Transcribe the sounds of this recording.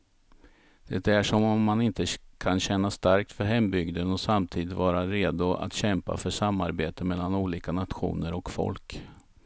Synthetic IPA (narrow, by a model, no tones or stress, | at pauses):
d̪̥ɛt̪æʂɔmɔmːanɪnt̪əkʰanɕɛnːast̪aɾk̚t̪fœɾɦɛmbʏɡd̪ənɔsamt̪ʰiːd̪ɪt̪vɑːɾaɾeːd̪ʊʔa̰t̪ɕɛmpa̰fœʂamːaɾbeːt̪əmɛlːanuːliːkanat̪ɧṵːnəɾɔkfɔ̰lk